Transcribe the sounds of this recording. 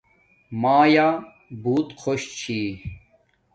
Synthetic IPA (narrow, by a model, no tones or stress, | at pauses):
maːjaː | buːt̪kʰoɕt͡ɕʰiː